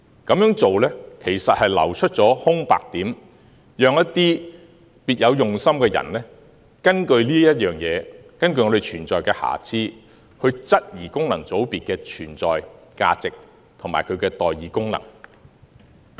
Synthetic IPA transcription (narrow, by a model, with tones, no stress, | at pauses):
kɐ˨˥mjœː˨˥ŋt͡so˨wlɛ˥kʰe˨˩jsɐ˨t̚hɐ˨jlɐ̰˨˩wt͡ʃʰɵ˥t̚t͡sɔː˨˥hʊ˥ŋpa̰ː˨k̚t̪iː˨˥m | jœː˨˧ŋjɐ˥tt̪iː˥ | piː˨t̚jɐ˨˧wjʊ˨˩ŋsɐ˥mkɛː˧jɐ̰˨˩nlɛː˥ | kɐ˥nkɵ˧ɥliː˥jɐ˥t̚jœː˨˩ŋjɛː˨˧kɐ˥nkɵ˧ɥjŋɔː˨˧e˨jt͡ʃʰyː˨˩nt͡sɔː˨jkɛː˧ha̰ː˨˩t͡sʰiː˥ | hɵ˧ɥt͡sɐ˥t̚jiː˨˩kʊ˥ŋlɐ˨˩ŋt͡so˨˥wpiː˨t̚kɛː˧t͡ʃʰyː˨˩nt͡sɔ̰ː˨jka̰ː˧t͡sɪ˨k̚ | t̪ʰʊ˨˩maː˨˩jkʰɵ˨˧kɛː˧t̪ɔː˨jiː˨˧kʊ˥ŋlɐ̰˨˩ŋ